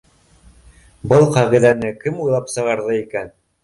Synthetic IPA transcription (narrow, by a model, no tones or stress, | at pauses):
bɤlˠqɑʁiðænɘkɘmujlˠɑpsɤ̆ʁɑɾðɤikæn